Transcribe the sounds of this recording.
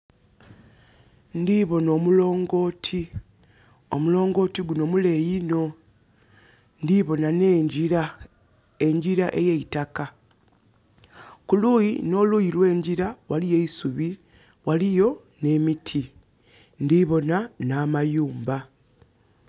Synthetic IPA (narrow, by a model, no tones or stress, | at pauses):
ndiβo̞no̞ːmulo̞ːŋɡo̞ːtʰi | o̞̰mulo̞ːŋɡo̞ːtiɡuno̞mule̞jino̞ | ndiβo̞naneiɾa | e̞ɲɟiɾaʔe̞jeitaka | kulujino̞lujiɾwe̞ːɲɟiɾawalije̞isuβi | walijo̞ | ne̞mitʰi | ndiβo̞nanaːmajuːmba